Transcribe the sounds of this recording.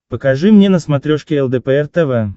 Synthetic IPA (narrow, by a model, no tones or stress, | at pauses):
pəkaʐɨmnʲenəsmat̪ɾʲoʂkʲeɛlˠd̪ɛpəɛrt̪ɛvə